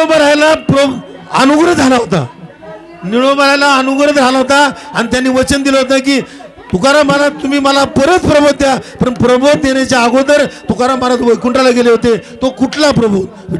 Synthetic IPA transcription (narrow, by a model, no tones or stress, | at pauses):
obəɾajlapɾo | ə̰nuɡɾəd͡zʱalaɦot̪a̰ | niɭobəɾ̤ajlaənuɡɾət̪d͡zʱalaɦot̪aa̰ñit̪janːiːʋət͡ɕənd̪ilaɦot̪ak̬iː | t̪ukaɾaməlat̪um̤iːməlapəɾət̪pɾəbʱot̪̚t̪ːjapəɾnpɾəbʱot̪̚d̪eɳjat͡ɕjaːɡod̪əɾt̪ukaɾamalat̪ʋəjkuɳʈalaɡeleɦot̪et̪okuʈʰlapɾəbʱot̪